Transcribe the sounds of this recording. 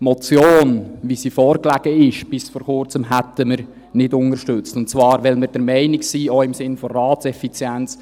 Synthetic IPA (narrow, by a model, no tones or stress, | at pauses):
mɔt͡sjoːnʋisiːfɔːɾklæɡ̥əɪʃb̥ɪsfɔːɾkʊɾt͡səmɦætəməɾ | nɪdʊnəɾʃtʏt͡stʊnt̚t͡svɑːɾʋɛlməɾd̥əɾmɛɪnɪksiːoɪmsɪnfɔrɑːtt͡sɛfit͡sjɛnt͡s